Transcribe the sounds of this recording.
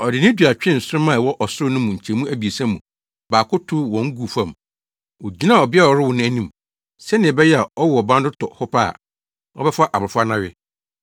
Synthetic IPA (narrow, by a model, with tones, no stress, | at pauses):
ɔ˨dɪ˨nɪ̃˦du˨a˨t͡ɕᶣɪ̃˦˨n̩˨sʊ˦ɾʊ˦mã˦˨wɔ˦ʔɔ˨sʊ˦ɾʊ˦nʊ̃˦mũ˨ɲ̩˨t͡ɕʰɛ̃˨mũ˦æ˦bi˨e˨sã˦mũ˨ | baː˨kʊ˦tʰʊ˦wɔ̃˨˦ŋ̩˦ɡu˨fã˦˨m | ɔ˨d͡ʑi˦nã˦˨ɔ˨bɪ˦a˦˨ɔ˨ɾɪ˦wʊ˨nʊ̃˦æ˦nĩ˦m | sɛ˦nɪ̃˨bɛ˦jɛ˦a˨ɔ˦wʊ˨ɔ˨bã˦ndʊ˦tʰɔ̰˨hʊ˦pʰa˦a̰˨ | ɔ̰˦bɛ˦fa˦ʔa˨bɾɪ˨fʊ˦a˦nã˦ɥɪ˦